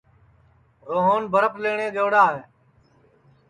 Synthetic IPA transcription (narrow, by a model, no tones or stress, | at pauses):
ɾoːɦoːnbʱəɾəpleːɳẽːɡeːɽaːɦeː